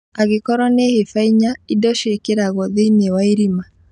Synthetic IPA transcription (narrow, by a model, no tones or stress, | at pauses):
aɣekɔɾɔnehefaiɲaidɔʃekeɾaɣɔðenewaiɾima